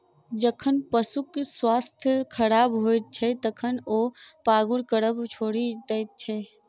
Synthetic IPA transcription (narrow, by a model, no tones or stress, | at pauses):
d͡ʒəkʰənpəsukswaːst̪ʰjkʰəɾaːbɦojt̪̚t͡ʃʰɛt̪əkʰənoːpaːɡʊɽkəɽəbt͡ʃʰoːɽid̪əjt̪̚t͡ʃʰɛ